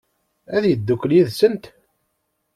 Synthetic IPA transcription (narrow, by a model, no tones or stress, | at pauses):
æðjəd̪ːukːəljiðsənt̪